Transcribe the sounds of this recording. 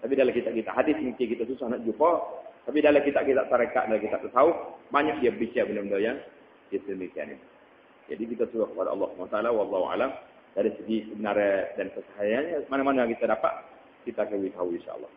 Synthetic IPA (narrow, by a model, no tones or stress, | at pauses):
t̪apidalakit̪aʔkit̪aʔɦadɪsmuŋkɪkit̪asusahnaʔd͡ʒupat̪apidalakit̪aʔ̚kit̪a̰ʔ̚saɾəka̰ʔdalakit̪aʔ̚t̪ət̪aʊhbaɲak̚diabəbit͡ʃabəndabəndajaŋ | diat̪əəmikia̰nḭt̪u | d͡ʒa̰dik̬it̪asuɾahkəpada̰ʔɑ̰lːɑhsəbəanat̪aalawɑlːɑhua̰lam | daɾisəɡisəbənaɾədankəsaɦajanɲəmanamanajaŋkit̪adapa̰t̪̚ | kit̪akəwit̪auinʃa̰ʔə̰lˠːɑ̰h